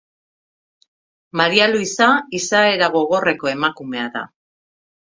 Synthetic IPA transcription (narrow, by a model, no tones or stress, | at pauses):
maɾialuisaisae̞ɾaɣ̞o̞ɣ̞o̞re̞ko̞e̞makume̞aða̰